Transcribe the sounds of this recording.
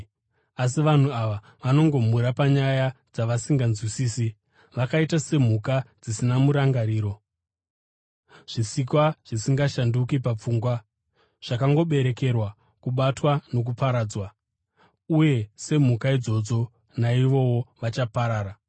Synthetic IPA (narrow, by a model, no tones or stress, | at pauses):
as̬iʋan̤uaʋa | ʋano̞ŋɡo̞m̤uɾapaɲajad͡zaʋasiŋɡanzwisiːsi | ʋakaitase̞m̤ukad͡zisinamuɾaŋɡaɾiːɾo̞ | ʐ̥isikwaʐ̥isiŋɡaʃandukipap͡fuːŋɡwa | ʐ̥akaŋɡo̞ɓe̞ɾe̞ke̞rwa | kuɓatwano̞k̬upaɾaːd͡zwa | uje̞se̞m̤ukaid͡zo̞d͡zo̞ | naiʋo̞wo̞ʋat͡ʃapaɾaːɾa